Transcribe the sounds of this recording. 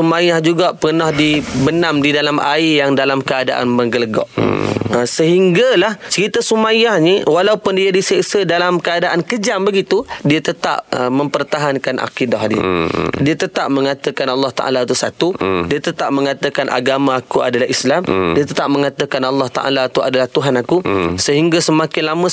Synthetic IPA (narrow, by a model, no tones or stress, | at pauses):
sumajahd͡ʒuɡaʔpərnahdibənamdidalamʔa̰ijaŋdalamkəadaʔa̰nməŋɡələɡɔ̰ʔəsəɦiŋɡalaht͡ʃəɾit̪asumajahɲəwalaupʊndiadisiʔsədalamkəadaʔankəd͡ʒambəɡit̪udiat̪ət̪a̰p̚mə̃mpərt̪aɦankanʔa̰kidaɦdḭdiat̪ət̪ap̚məŋat̪əkanɑlːɑht̪a̰ʔa̰lat̪usat̪udiat̪ət̪ap̚məŋat̪əkanʔa̰ɡamãːkua̰dalaɦislamdiat̪ət̪ap̚mə̃ŋat̪əkanɑlːɑht̪a̰ʔa̰lat̪ua̰dalaht̪uɦanakusəɦiŋɡasəmakɪnlamə̃